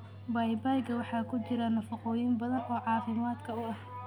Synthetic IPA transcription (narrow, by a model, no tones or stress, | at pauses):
bɐjbajɡɐwɑħɑːkʰʊt͡ʃɪɾɐnɐfɐqɔːjɪmbɐðɐnɔːʕɑːfɪmaːd̪kʰɐʊɐh